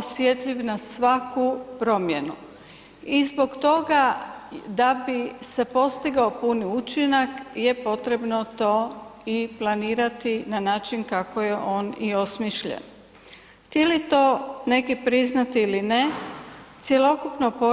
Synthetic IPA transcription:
sje̞t̪ʎiʋnasʋakupɾo̞mje̞nu | izbo̞ɡt̪o̞ɡa | d̪abise̞po̞st̪iɡaopuniut͡ʃinakje̞po̞t̪ɾe̞bnot̪o̞ːiplˠaniːɾat̪inanaːt͡ʃinkakoje̞ʔo̞ːnio̞smiʃʎḛn | ht̪jelit̪o̞ːne̞kipɾiznat̪iilinet̪sjelo̞kupnopo

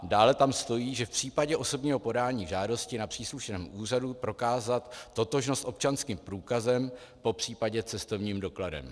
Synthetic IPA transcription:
daːlɛt̪amst̪o̞jiːʒɛfpr̝̥iːpaɟɛʔo̞so̞bɲiːɦo̞po̞daːɲiːʒaːdo̞scɪnapr̥iːsluʃnɛːmʔuːr̝adupɾo̞kaːzat̪ːo̞t̪o̞ʒno̞st̪ʔo̞p̚t͡ʃanskiːmpɾuːkazɛmpo̞pr̝̥iːpaɟɛt͡sɛst̪o̞vɲiːmdo̞kladɛ̰m

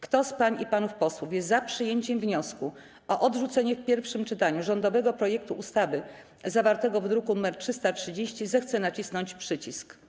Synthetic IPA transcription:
kt̪ɔspaɲipanufpɔswufjɛst̪zapʂɘjeɲt͡ɕɛmvɲɔsku | ɔʔɔd̪ʐut̪sɛɲɛfpʲjɛɾfʂɘmt͡ʂɘt̪aɲuʐɔnd̪ɔvɛɡɔpɾɔjɛk̚t̪uʔust̪avɘ | zavaɾt̪ɛɡɔvd̪ɾukunumɛɾtʂɘst̪atʂɘd͡ʑeɕt͡ɕizɛxt̪sɛnat͡ɕisnɔɲt͡ɕpʂɘt͡ɕisk

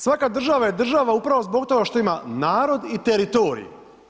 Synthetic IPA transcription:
sʋakad̪r̩ʒaʋaje̞d̪r̩ʒaʋaupɾaʋozbo̞ɡt̪o̞ɡaʃt̪o̞imanaːɾo̞d̪it̪eɾit̪o̞ːɾḭjḭ

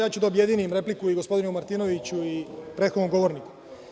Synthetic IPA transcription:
jaːt͡ɕud̪aobje̞d̪iːnimɾe̞plikuiɡospo̞d̪inumaɾt̪ino̞ʋit͡ɕuipɾe̞t̪xod̪nomɡo̞ʋo̞ɾniku̥

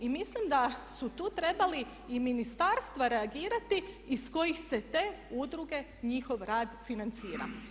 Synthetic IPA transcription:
imislimd̪asut̪uːt̪ɾe̞bali | iminist̪aɾst̪ʋaɾe̞aɡiːɾat̪iː | sko̞jixse̞t̪eːud̪ɾuɡe̞ | ɲixo̞ʋɾaːd̪finant̪siːɾa̰

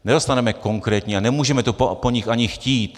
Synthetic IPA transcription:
nɛdo̞st̪anɛmɛko̞ŋkɾɛːt̪ɲianɛmuːʒɛmɛt̪oppoɲixaɲɪxciːt̪

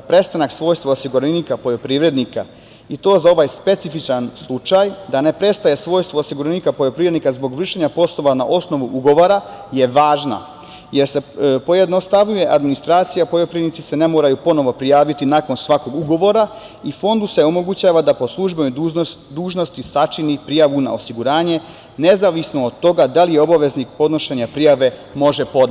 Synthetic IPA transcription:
pɾe̞st̪anaksʋo̞jst̪ʋoosiɡuɾenikapo̞jo̞pɾiːʋɾe̞d̪nika | it̪o̞ːzao̞ʋajspe̞t̪sifit͡ʃanslˠut͡ʃajd̪ane̞pɾe̞st̪aje̞sʋo̞ːjst̪ʋoosiɡuɾenikapoʎo̞pɾiːʋɾed̪nikazbo̞ɡʋr̩ʃe̞ɲapo̞slˠo̞ʋana̰ʔo̞sno̞ʋuʔuɡo̞ʋoɾaje̞ʋaːʒna̰ | je̞ɾse̞po̞jed̪nost̪aʋɲuje̞ʔad̪minist̪ɾaːt̪sijapoʎo̞pɾiednit̪ise̞nemoːɾajupo̞no̞ʋo̞pɾijaːʋit̪inako̞nsʋako̞ɡuɡo̞ʋo̞ɾa | ifo̞nd̪use̞o̞mo̞ɡut͡ɕaːʋad̪apo̞slˠuʒbenod̪uːʒno̞st̪isat͡ʃinipɾijaʋuna̰o̞siɡuɾaːɲe̞ | ne̞zaʋisnood̪t̪ːo̞ɡad̪alijeo̞baʋe̞znik̚po̞d̪no̞ʃeɲapɾijaʋe̞mo̞ʒe̞po̞d̪n

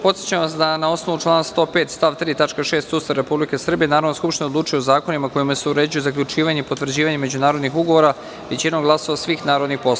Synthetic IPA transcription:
po̞t̪sjet͡ɕamʋasd̪anao̞sno̞ʋut͡ʃlˠaːnst̪o̞ːpeːt̪st̪aʋt̪ɾiːt̪at͡ʃkaʃeːst̪sust̪ɾaɾe̞publike̞sr̩bije̞naːɾaʋnoskupʃt̪inod̪luːt͡ʃujeozaːko̞nimako̞jimaseuɾe̞ːd͡ʑujozakʎut͡ʃiːʋaɲeipo̞t̪ʋrd͡ʑiːʋaɲeme̞d͡ʑunaːɾod̪nixuɡo̞ʋoɾa | ʋe̞t͡ɕinomɡlˠasoʋasʋiːxnaːɾod̪nixpo̞slo

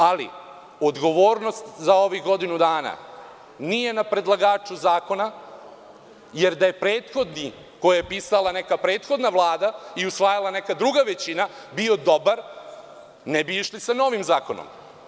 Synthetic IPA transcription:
alḭ | od̪ɡo̞ʋoːɾno̞st̪zao̞ʋiɡo̞d̪inud̪aːna̰ | nije̞napɾe̞d̪lˠaɡaːt͡ʃuzaːko̞na | je̞ɾd̪aje̞pɾeːt̪xo̞d̪ni | kojajepiːsalanekapɾe̞ːt̪xo̞d̪naʋlˠaːd̪aiusʋajalanekad̪ɾuɡaʋet͡ɕina | bio̞d̪o̞baɾ | nebiiʃlisano̞ʋimzaːkono̰m

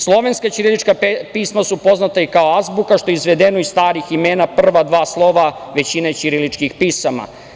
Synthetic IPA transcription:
slˠo̞ʋe̞nskat͡ʃiɾilit͡ʃkapiːsmasupo̞znat̪aikaoazbukaʃt̪o̞jeizʋe̞d̪enoist̪aːɾiximeːnapr̩ʋad̪ʋaːslˠo̞ʋaʋe̞t͡ɕinet͡ɕiɾilit͡ʃkixpiːsama̰

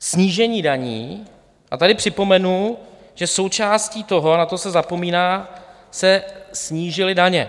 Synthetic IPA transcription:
sɲiːʒɛɲiːdaɲḭː | ʔat̪adɪpr̥ɪpo̞mɛnu | ʒ̥ɛso̞wt͡ʃaːsciːt̪o̞ɦoanat̪osɛzapo̞miːnaː | sɛsɲiːʒɪlɪdaɲɛ

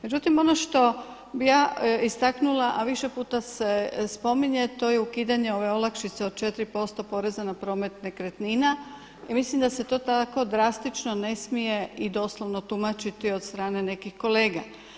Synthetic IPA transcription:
med͡ʑut̪imo̞no̞ʃt̪o̞ | bijaːist̪aknulaʔaʋiʃe̞puːt̪asespo̞miɲe̞t̪o̞ːjeukiːd̪aɲe̞o̞ʋe̞o̞lakʃit̪seod̪̚t͡ʃe̞t̪ɾipo̞st̪o̞po̞ɾe̞zanapɾo̞ːme̞t̪nekɾet̪nina | imislimd̪ase̞t̪o̞ːt̪ako̞d̪ɾast̪it͡ʃno̞ne̞smije̞id̪o̞ːslˠo̞ʋno̞t̪umat͡ʃit̪io̞d̪st̪ɾaːne̞ne̞kihko̞le̞ːɡa̰

